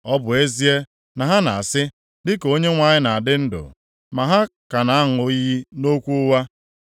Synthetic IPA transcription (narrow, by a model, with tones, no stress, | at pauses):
ɔ˦bʊ˨e˦zi˦e˦ | na˨ɦa˦na˨a˨sɪ˦ | dɪ˦ko˦ɲe˦ŋʷa˦˨ɲɪ˦na˨a˨dɪ˦n̩˦dʊ̰˨ | ma˨ɦa˦ka˨na˨a˦ŋ˨o˦ji˦no˦kʷu˦wa˦